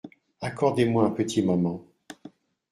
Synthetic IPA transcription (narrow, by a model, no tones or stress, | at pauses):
akɔʁd̪emwaɛ̃pət̪ʰimɔmɑ̃